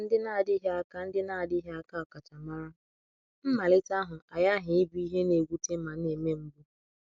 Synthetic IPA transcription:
n̩˦dɪ˦na˦˨dɪ˦ɦe˦a˦ka˦n̩˦dɪ˦na˦˨a˨di˦ɦe˦a˦ka˦˨ka˨t͡ʃa˨ma˦ɾa˦ | m̩˦ma˨lɪ˦ta˦ɦʊ˨a˨ja˦ɦɪ˨ɪ˦bi˦i˦ɦe˦ne˨ɡʷu˦te˦ma˨n̩˦e˨me˦m̩˦bʊ˦

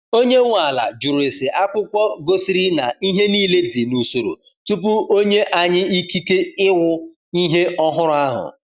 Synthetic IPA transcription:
o˦ɲe˦ŋʷa˨la̰˨d͡ʒu˨ɾu˨e˨sɪ˨ʔa˦kʷʊ˦kʷɔ˦ɡo˦si˦ɾi˦na˨i˦ɦe˦niː˦le˦di˨nu˨so˨ɾo̰˨ | tu˦p̬u˦ʔo˦ɲe˦ʔa˨ɲɪ˦i˦ki˦ke˦ɪ˦wʊ˦ | i˦ɦe˦ɔ˦ɦʊ˦ɾʊ˦a˦ɦʊ̰˨

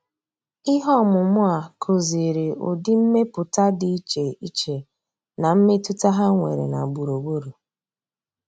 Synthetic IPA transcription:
i˦ɦɔ˦˨mʊ˨mʊ˦a˨kʰo˨zi˨ɾe˨ʔʊ̰˨dɪ˦m̩˦me˦pʊ˨ta˦di˨i˦t͡ʃe˨i˦t͡ʃe˨ | na˨m̩˦me˦tu˦ta˦ɦa˦ŋʷe˨ɾḛ˨na˨ɡ͡bu˨ɾo˨ɡ͡bo˦ɾu˨

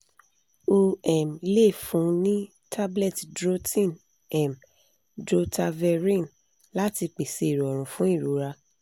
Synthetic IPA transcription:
o˧ɛ˨m˨i˧le˦˨fũ˨˦nĩ˦ | tʰa˦blɛ˦˨tdɾo˦tʰĩ˦˨n | ɛ˨m | dɾo˧ta˧vɛ˧ɾĩ˦˨n | la˦ti˧k͡pe˨se˧i˨ɾɔ˨ɾ̃ũ˨fũ˦i˦˨ɾu˨˦ɾa˧

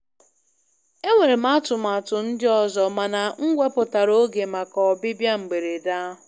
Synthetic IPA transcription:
e˦ŋʷe˨ɾe˨m̩a˦tʊ˨ma˨tʊ˨n̩˦dɪ˦ɔ˦zɔ˨ma˨na˨ŋ̩˦ɡʷe˦pʊ˨ta˨ɾo˦ɡe˨ma˨kɔ˨bɪ˦bja˦ŋ͡m̩˨ɡ͡be˨ɾe˨da˦ɦʊ˨

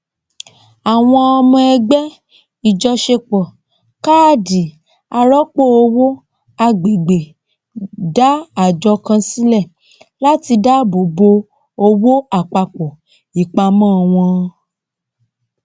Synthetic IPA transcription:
a˨w̃ɔ̃˧ɔ˧mɔ̃˧ɛ˧ɡ͡bɛ˦ | i˨d͡ʒɔ˧ʃe˧k͡pɔ˨ | ka˦˨di˨˦ | a˧ɾɔ˦k͡po˦˨o˧wo˦ | a˧ɡ͡be˨ɡ͡be˨ | da˦a˨d͡ʒɔ˧kã˧si˦lɛ˦˨ | la˦ti˧da˦bo˨bo˧ | o˧wo˦a˦˨k͡pa˨k͡pɔ˨ | i˨k͡pa˧mãː˦˨w̃ɔ̃˧

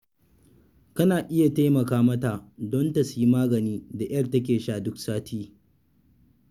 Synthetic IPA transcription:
kɐ˦naː˨ʔɪ˦ja˨ta˦jmɐ˨kaː˦mɐ˦ta˨dɔ˦ntɐ˨sʊ˨˦ji˦maː˦ɡɐ˨niː˦da˨ʔj̰ɐ˦˨rtɐ˦k̬ʲeː˨ʃaː˦˨dʊ˦ksaː˦tʰiː˦

